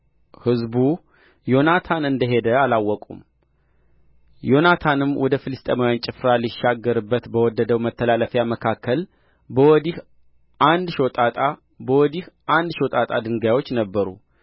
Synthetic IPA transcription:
hɨzbu | jo̞nat̪ʰanɨnd̪əɦe̞d̪əalawːɔkʼṵm | jo̞nat̪ʰanɨmwʔɔd̪əfɨlɨst̪ʼemawant͡ʃʼɪfɾaliʃːaɡːəɾɨbːət̪bəwɔd̪ːəd̪əwmət̪ʰːəlaləfjaməkʰakʰːəl | bəwɔd̪ih | ʔand̪ʃo̞t̪ʼat̪ʼa | bəwɔd̪ihʔand̪ʃo̞t̪ʼat̪ʼad̪ɨŋɡajwo̞t͡ʃːnəbːəɾṵ

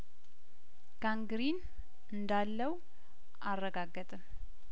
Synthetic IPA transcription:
ɡ̥aŋɡɾin | ɨnd̪alːəw | ʔarːəɡaɡːət̪ʼɨm

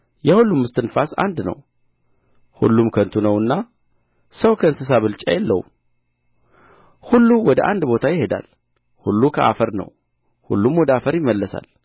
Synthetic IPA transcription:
jɛhulːumːɨst̪ʰɨnfasa̰nd̪nə̰w | hṵlːumkʰənt̪ʰunəwɨnːa | səwkʰəɨnsɨs̬aβɨlt͡ʃʼajɛlːəw | hulːuwɔd̪əʔand̪bo̞t̪ʰajɪhe̞d̪a̰l | hṵlːukʰəʔa̰fəɾnə̰w | hṵlːumwɔd̪əafəɾjɪmːəlːəsa̰l

